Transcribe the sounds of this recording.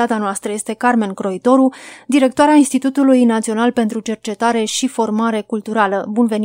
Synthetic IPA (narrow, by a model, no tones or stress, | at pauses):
at̪eanoast̪ɾəje̞st̪e̞karme̞nkɾo̞it̪o̞ɾud̪iɾe̞kt̪oaɾeainst̪it̪ut̪ulujnat̪sio̞nalpe̞nt̪ɾut͡ʃe̞rt͡ʃe̞t̪aɾe̞ʃifo̞rmaɾe̞kult̪uɾaləbunve̞n